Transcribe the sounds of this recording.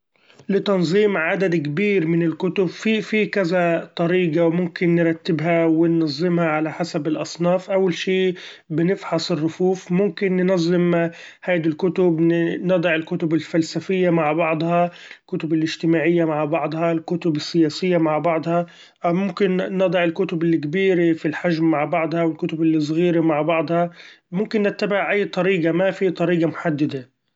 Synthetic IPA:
lɪt̪ɑnzˤiːmʕad̪ad̪kbiːɾmɪnɪlkʊt̪ʊbfifikazat̪ˤɑɾiːɡɑwmʊmkɪnːɪɾˤɑt̪ːɪbɦawɪnːɑzˤːɪmhaʕalaħasabɪlʔɑsˤnɑːfʔawːalʃiː | bɪnɪfħɑsˤɪrːʊfuːfmʊmkɪnːnɑzˤːɪm | haːd̪ilkʊt̪ʊbnɑd̪ˤɑʕɪlkʊt̪ʊbɪlfalsafɪjːamaʕbɑʕd̪ˤhɑlkʊt̪ʊbɪlʔɪʒt̪ɪmaːʕɪjːamaʕbɑʕd̪ˤhɑlkʊt̪ʊbɪsːɪjaːsɪjːamaʕbɑʕd̪ˤhɑ | mʊmkɪnːɑd̪ˤɑʕɪlkʊt̪ʊbɪlːikbiːɾefilħaʒmːaʕbɑʕd̪ˤhɑwɪlkʊt̪ʊbɪlːis̬ˤɣiːɾemaʕbɑʕd̪ˤhɑ | mʊmkɪnːɪt̪ːabɪʕʔajːt̪ˤɑɾiːɡamafit̪ˤɑɾiːɡamʊħad̪ːad̪a

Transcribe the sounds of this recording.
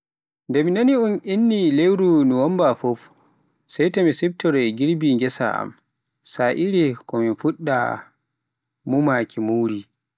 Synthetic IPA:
ndɛminaniunʔinːilewɾunuwɔmbafɔf | sajtamisib̚tɔɾɛɡiɾbiŋɡɛsa̰a̰m | saʔiɾikɔminfuɗːa̰ | mumakʰimuwɾi

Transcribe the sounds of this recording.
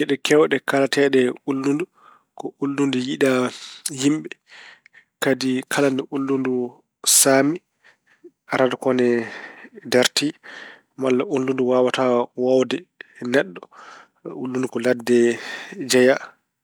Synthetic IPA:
jɛɗɛkʰɛwɗɛkalatɛɗɛulːundu | kɔʔulːundujiɗahimɓɛ | kadikʰalanɛʔulːundu | saːmi | aɾadɔkɔnɛ | dɛɾti | malːaʔulːunduwawatawawdɛnɛɗːɔ | ulːundukɔladːɛd͡ʒɛja

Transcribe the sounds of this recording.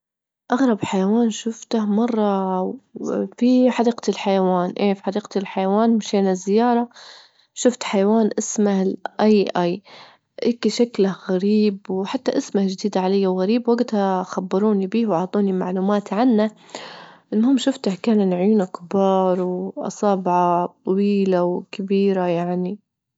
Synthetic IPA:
ʔaɣɾˤɑbħajawaːnʃʊft̪ahmɑrˤːɑ | fiħɑd̪iːqat̪ɪlħajawaːnʔeːfħɑd̪iːqat̪ɪlħajawaːnmɪʃeːnazːɪjːɑːɾˤɑ | ʃʊft̪ħajawaːnʔɪsmahlʔaʔaj | ʔeːkʃaklaɣaɾiːbwħat̪ːaʔɪsmahd͡ʒɪd̪iːd̪aʕalajːawɣaɾiːbwaɡt̪haxabːɑɾˤuːnibiːhwʕɑt̪ˤuːnimaʕluːmaːt̪ʕanːa | ʔɪnːhʊmːʃʊft̪ahkaːnɪnʕjuːnakɪbɑːɾˤwʔɑ̰sˤɑːbʕɑt̪ˤɑwiːlawkɪbiːɾajaʕni

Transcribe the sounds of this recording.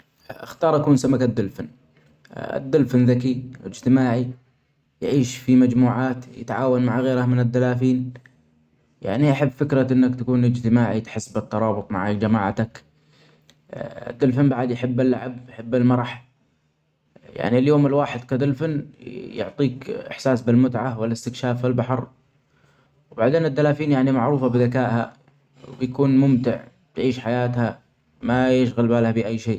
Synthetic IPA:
ʔɪ̰xt̪ɑːɾˤʔakuːnsamakad̪ːʊlfɪn | ɪ̰d̪ːʊlfɪnðakiɪd͡ʒt̪ɪmaːʕi | jʕiːʃfimad͡ʒmuːʕaːt̪jɪ̰t̪ʕaːwanmaʕɣeːɾamɪnɪd̪ːalaːfiːn | ja̰ʕniʔaħabːfɪkɾaʔɪnːakt̪akuːnɪd͡ʒt̪ɪmaːʕit̪ħɪsbɪt̪ːɑɾˤɑːbʊt̪ˤma̰ʕakd͡ʒamaːʕt̪ak | d̪ʊlfanbaʕɪd̪jħɪbːɪlːa̰ʕabjħɪbːalmɑɾˤɑħ | ja̰ʕniljoːmɪlwaːħɪd̪kad̪ʊlfanːjʊ̰ʕt̪ˤiːkɪ̰ħsaːsbɪlmʊt̪ʕawɪlɪst̪ɪkʃaːfːɪlbaħɑɾ | wbaʕd̪eːnɪd̪ːalaːfiːnjaʕnimaʕɾuːfabɪðakaːʔha̰ | wjakuːnmʊmt̪ɪʕ | t̪ʕiːʃħajaːt̪ha | majɪʃɣalbaːlhabɪʔajːʃeː

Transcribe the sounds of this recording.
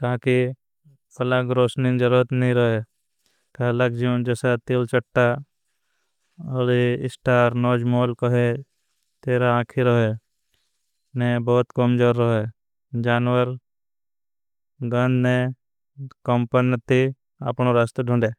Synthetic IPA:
k̪aːki | pɐlaɡɾoːsnid͡ʒəɾuɾət̪nəɦĩɾəɦe | kəlakd͡ʒid͡ʒɛːsat̪ilt͡ʃəʈːa | oːɾiɪ̰sʈaːɾnoːd͡ʒmoːlkəɦe | t̪eːɾaaːkʰiɾəɦe | nebɔːt̪kɔmd͡ʒoɾːəɦe | d͡ʒaːnwəɾ | ɡə̃nd̪nẽ | kɔmpənət̪i | ə̰pnoɾaːst̪əɖʱʊ̃ɳɖeː

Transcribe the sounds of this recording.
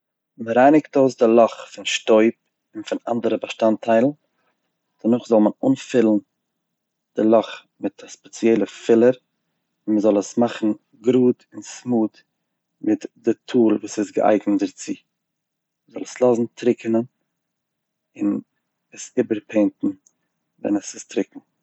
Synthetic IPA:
məɾaɪnɪktoːsdɪlˠɔχfɪnʃtoɪp̚ | ɪnfɪna̰ndəɾəbəʃtantʰaɪlˠn̩ | d̥ənʊχzɔlˠmənuːnfɪlˠn̩ | d̥ɪlˠɔχ | mɪtʰaspɛt͡sjɛlˠəfɪlˠəɾ | ɪnməzɔlˠəsmaχn̩ | ɡɾuːtɪnsmuːd | mɪtdɪtʰuːlˠvuːsɪsɡə̰ʔa̰ɪɡnədɪɾt͡siː | məzɔlˠəslˠɔzn̩tʰɾɪkənən | ɪn | əsɪbəɾpʰeɪntn̩ | vɛ̰nəsɪstɾɪkŋ̩

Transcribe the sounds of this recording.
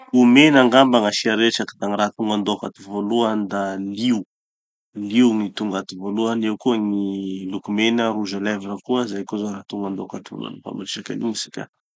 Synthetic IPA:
umenaŋɡambaŋaʃiaɾeʈ͡ʂakd̪aŋirat̪uŋɡand̪oka̰t̪ivoluand̪aliu | liuŋit̪uŋɡat̪ivoluanewkuəŋilukumenəruʒaleviɾakuəzajkozoɾat̪uŋand̪okat̪ivo̰lṵa̰nipa̰mbaɾiʃaka̰nḭŋisi̥kʲa̰

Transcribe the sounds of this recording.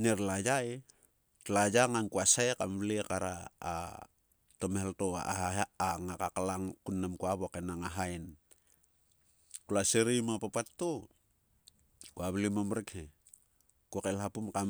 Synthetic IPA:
neɾlad͡ʒae | lad͡ʒaŋankuasaekamβlekaɾa̰ː | tomeheltoa̰aɦaaaŋakakalaŋkunːamkuaβoakenaŋaɦaen | kulaseɾimapapatːo | kuaβlimomɾekhe | kuakelhapumkam

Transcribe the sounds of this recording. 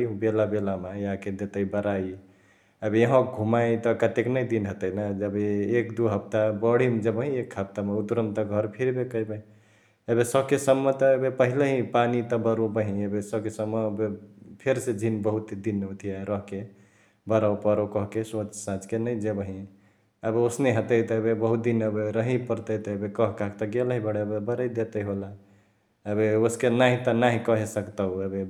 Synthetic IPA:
belabelamejãked̪et̪əibəɾai | əbeeɦõkɡʱumajt̪ɔkət̪eknəjd̪inɦət̪əinad͡ʒəbeekd̪uɦəp̚t̪abəɽ̤imd͡ʒəbəɦĩekʰhəp̚t̪ameut̪ɾəmt̪ɔɡʱʌɾpʰiɾbekəjbəɦĩ | ebesəbkesəmːət̪ɔebepəɦileɦĩpanit̪ɔbəɾobəɦĩebesəbkesəmːəbepʰeɾsed͡ʒʱinbəɦut̪d̪inot̪ʰiaɾəɦke | bəɾapəɾokɔɦkesot͡ʃsãt͡ʃkenəjd͡ʒebəɦĩ | əbeosneɦət̪əjt̪ɔebebəɦut̪̚d̪inəbeɾəɦipəɾt̪ət̪ɔebekɔɦkakʰt̪ɔɡeləɦĩbəɽebebəɾəjd̪et̪əiɦola | əbeoskenaɦĩt̪ənaɦĩkəɦesəkt̪əɦebe

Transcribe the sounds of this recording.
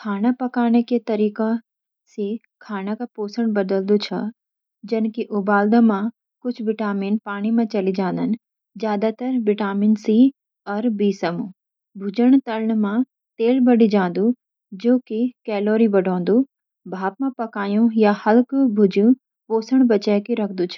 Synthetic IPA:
kʰaːñapɐkaːɽ̃eket̪ɐɾiːka | se | kʰaːñakʰapoːsəɽ̃bɐd̪əld̪ut͡ɕʰɐ | d͡ʒɐnkiʔʊbaːld̪əmã | kʊd͡ʑʰʱʋɪʈaːmiːnpaːɽ̃imãt͡ɕɐlid͡ʒãːn̆d̪ənɪ̆ | zjaːd̪at̪ɐɾʋɪʈaːmiːnsi | ɐɾbiːsɐmũ | bʱʊd͡ʑəɽ̃t̪ɐləɳ̃mã | t̪eːlbɐɽid͡ʒãːn̆d̪u | d͡ʒoːkikɛːloːɾibɐɖʱõːn̆d̪u | bʱaːp̚mãpɐkaːjũjahɐlkbʱʊd͡ʒjũ | poːsəɽ̃bɐt͡ɕəːkiɾɐkʰd̪ut͡ʃʰɐ̥

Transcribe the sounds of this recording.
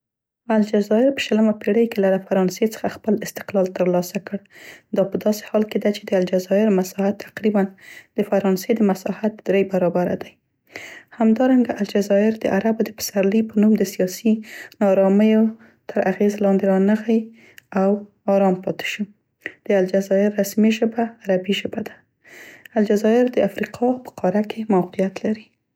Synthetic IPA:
ald͡ʒazɑɪɾpə̥ʃələmapeɽəjkelad̪afaɾɑnset͡sə̥xaxpəlɪst̪ɪ̥qlɑlt̪əɾlɑsakəɽd̪ɑpəd̪ɑse̥hɑlked̪at͡ʃed̪əald͡ʒazɑɪɾmasɑhat̪ʰːḁqɾiband̪əfaɾɑnsed̪əmasɑhat̪̚d̪ɾejbaɾɑbaɾa̰d̪aj | hamd̪ɑɾaŋɡaʔald͡ʒazɑɪɾd̪əʔaɾabod̪əpə̥saɾlipənumd̪əsijɑsinɑɾɑməjo | t̪ʰəɾʔaɣezlɑnd̪eɾɑnaxaj | aw | ɑɾɑmpɑt̪ɪ̥ʃu | d̪̥əald͡ʒazɑjɪɾːasmiʒəbaːɾabiʒəbad̪a | ald͡ʒazɑɪɾd̪əafɾiqʰɑpə̥qʰɑɾakʰemawqijat̪laɾi

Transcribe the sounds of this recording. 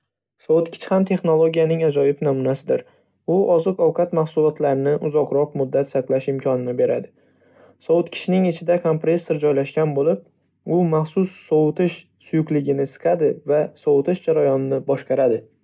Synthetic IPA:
sɒwʊt̪kʲʰɪ̥t͡ʃʰhamt̪ʰe̞χno̞lˠoɡʲijanɪŋad͡ʒɒjɪpnɒmʊnasɪd̪ɪɾ | ʊʔɒzɨqɒwqʰat̪maχsʊlˠɒt̪laɾɪnɪʔʊzɒqɾɒq̚mʊd̪ːat̪saqlˠaʃɪmkʲʰɒnɪnɪbe̞ɾa̰d̪ɪ | sɒwʊt̪kʲʰɪ̥t͡ʃɪnɪŋɪt͡ʃʰɪd̪akʰompɾesːeɾd͡ʒɒjlaʃkʲanbolɪp̚ | ʊmaχsʊsːɒwʊt̪ʰɪʃ | sʊjʊklɪɡʲɪnɪsɨ̥qʰad̪ɪvasɒwʊt̪ɪʃd͡ʒaɾajɒnɪnɪbɒʃqɑɾad̪ɪ

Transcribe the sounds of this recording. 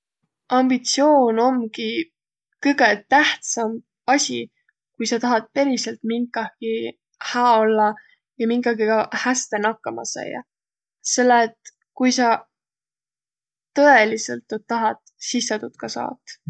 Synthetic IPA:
ɑmb̥it̪sio̞ːno̞mɡi | kɤɡe̞t̪æht̪sɑm | ɑsʲi | kujsɑt̪ɑɦɑt̪̚pe̞ɾiselt̪miŋkːˑɑhki | hæːolːɑ | jɑmiŋkɑɡikɑhæst̪e̞nɑkːɑmɑ̰sɑ̰jɑ̰ | se̞lːet̪ | kujsɑ | t̪ɤe̞liselt̪ːyt̪t̪ːɑɦɑt̪ | sisːet̪ut̪kɑsɑ̰ːt̪ːˑ

